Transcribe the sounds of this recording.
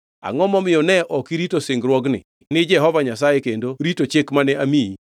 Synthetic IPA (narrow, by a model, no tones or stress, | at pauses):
a̰ŋɔmɔmɪjɔnɛʔɔkiɾitosɪŋɡɾwɔɡnɪ̰ | nɪd͡ʒɛɦɔvaɲasajekendoɾitot͡ʃekmanɛʔamii